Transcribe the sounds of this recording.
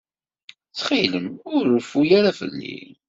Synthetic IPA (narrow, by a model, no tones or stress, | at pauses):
t͡sːχiləmʊɾʊfujaɾafə̰lːḭ